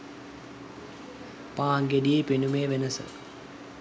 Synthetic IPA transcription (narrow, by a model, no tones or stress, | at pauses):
paːŋɡediepenumeːʋenəsə̰